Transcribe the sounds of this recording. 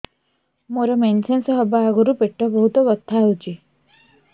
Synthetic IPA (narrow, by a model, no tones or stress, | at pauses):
moɾɔmensensɔɦɔbaaɡɔɾupeʈːɔbɔɦut̪ɔbɔt̪ʰːaɦwt͡ʃʰi